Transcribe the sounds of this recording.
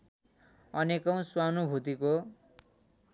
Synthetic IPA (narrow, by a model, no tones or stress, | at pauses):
ʌnekʌ̃w̃swanubʱut̪iko